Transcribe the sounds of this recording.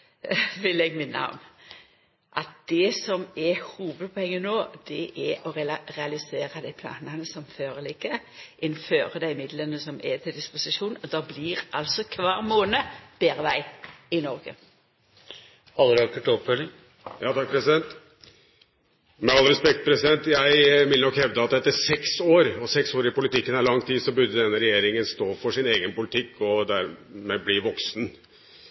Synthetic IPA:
ʋɪlɛɡmɪnːɑ̰ɔ̰m | ʔɑt̪̚d̪̥ɛsɔmɛhuːʋəd̪̚pʰɔɛŋːənoːd̪̥ɛʔɛʔɔʁɛʁɛɑlɪseːɾɑd̪æɪpʰlɑ̰ːnənəsɔmføːʁəlɪkːəʔɪnføːʁəd̪æɪmɪd̪lənəsɔmɛt̪ʰɪld̪ɪspʊsɪʂuːnd̪ɑbliɾʔɑ̰lsɔkʰʋɑːʁmoːnəb̥eːɾəʋæɪɪnɔɾɡə̰ | ɑlːəɾɑkːʉʈɔpfœlɪŋ | jɑːt̪ʰɑk̚pʰɾɛsɪd̪ɛnt̪ | mɛɑlːəɾɛspɛk̚t̪̚pʰɾɛsɪd̪ɛnt̪jæɪʋɪlənɔkhɛʋd̪əɑt̪̚d̪ɛt̪ːæsɛksoːɾɔsɛksoːɾɪpʊlɪt̪ɪkːənæɭɑŋt̪ʰiːd̪sɔbʉd̪ːəd̪ɛnːəɾɛjeːɾɪŋənst̪oːfɔʂɪneːɡənpʊlɪt̪ʰɪkːɔd̪æɾmɛblɪʋɔksn

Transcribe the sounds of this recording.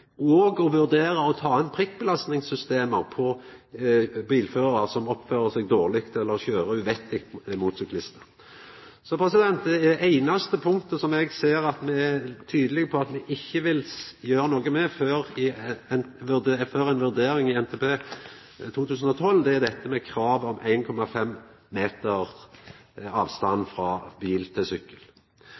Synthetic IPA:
ɔɡɔʋʉʁd̪eːɾəɔt̪ʰɑːɑnpʰʁɪk̚ːbəlɑst̪nɪŋsːʏst̪eːməʁpʰɔ | biːlføːʁəʁɑʁsɔmɔpføːʁəsɛɡd̪oːʁlɪkt̪ɛlːəɾɔçøːɾəʉʋɛt̪ɪkt̪muːt̪sʏk̪lɪst̪ə | sɔpʰɾɛsɪd̪ɛnt̪d̪ɛææɪnɑst̪əpʰʊŋt̪əsɔmɛɡseːɾɑt̪mɛæt̪ʰyːd̪əlɪɡəpʰɔɑt̪mɛʔɪçːəʋɪljøːɾənoːɡəmɛføːɾɪnʋʉføːɾæɪnʋʉʁd̪eːɾɪŋɪɛnt̪ʰɛːpeː | t̪ʰuːt̪ʰʉːsən̩ɔt̪ʰɔld̪ɛæʁd̪ɛt̪ʰːəmɛkʰɾɑːʋɔmʔæ̰ɪnkʰɔmɑfɛmː | eːt̪əʁ | ɑːʋst̪ɑnːfɾɑbiːlt̪ʰɪsʏkːəl

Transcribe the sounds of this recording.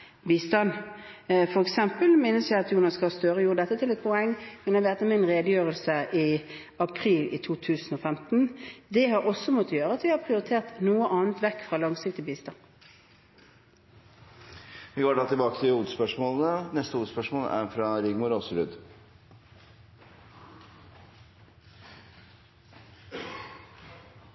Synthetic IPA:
biːst̪ɑn | fɔɾɛksɛmpəlmeːnəsjæɪɑt̪juːnɑskɑɑst̪øːɾəjʊd̪ɛt̪ːət̪ʰɪlɛt̪̚pʰɔɛŋːmɛnjæʋeːt̪əmɪnʁeːd̪əjøːʁəlsəʔɪ | ɑpʰɾiːlʔɪ̰t̪ʰuːt̪ʰʉːsn̩oːfɛmt̪n̩d̪ɛhɑɾɔsːɔmɔt̪ːəjøːɾəɑt̪ʋɪhɑpʰʁɪʊɾɪt̪ʰeːʁt̪nuːəʔɑːnt̪ʋɛkːfʁɑːlɑŋsɪkt̪ɪbiːst̪ɑn | ʋɪkoʋʈɑːt̪ɪlbɑːkə̥t̪ʰɪuːʋəd̪əspœʂmoːlən̩ənɛst̪əuːd̪əspœʂmoːlæ̰ɾfɾɑɾɪɡmʊɾosɾʉ̰ːd̪

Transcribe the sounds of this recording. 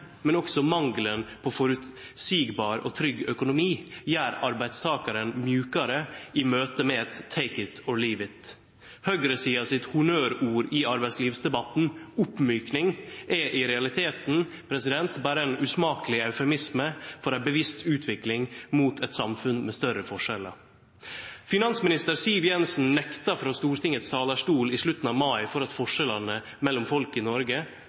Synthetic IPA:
mɛnɔksɔmɑŋlənpʰɔfɔɾʉt̪ | siːɡbɑːɾɔ̰t̪ʰɾʏɡːœkʊnʊmiːjæːɾɑɾbæɪd̪st̪ʰɑːkɑɾənmjʉːkɑɾəɪmøːt̪əmɛɛt̪ʰːeɪkət̪ʰɔɭiːʋɪt̪ | hœɡɾəsiːɑsɪt̪hʊnøːɾuːɾɪɑɾbæɪsliːʋsd̪ɛbɑt̪n̩ʊpmyːknɪŋʔɛʔɪɾɛɑlɪt̪ʰeːt̪n̩ | pʰɾɛsɪd̪ɛnt̪bæːɾəɛnʉːsmɑːkəlɪɑʉfɛmɪsməfɔɾæɪbəʋɪst̪ʰʉːt̪ʰʋɪklɪŋmuːt̪ʰɛt̪sɑmfʉnmɛst̪œɾəfɔʂɛlə̰ɾ | fɪnɑnsmɪnɪst̪əɾsɪlʋjɛnsn̩nɛkt̪ɑfɾɑːst̪uːɾt̪ʰɪŋət̪st̪ʰɑːləʂʈuːlɪʂlʉt̪ːn̩ɑːʋmɑɪfɔɾɑt̪fɔʂɛlɑnə | mɛlːʊmfɔlkɪnɔɾɡə

